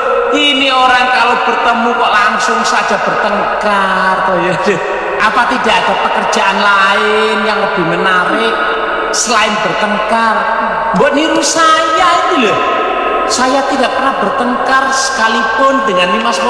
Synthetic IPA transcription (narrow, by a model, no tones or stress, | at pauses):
inioɾaŋkalob̥ərt̪əmukɔʔlaŋsʊŋsḁʒ̥a̤b̥ərt̪əŋka | rt̪ɔjɔde | ʔapat̪id̥aʔad̥a̤pəkərd̥ʒ̥a̤ʔanlaɪ | njaŋləb̥ɪ̤hmənaɾɪ | səlaɪnb̥ərt̪əŋkar | ŋɡɔʔniɾusajainilɔ | sajat̪idaʔpərnahb̥ərt̪əŋkarsə̥kalipʊndəŋanlimas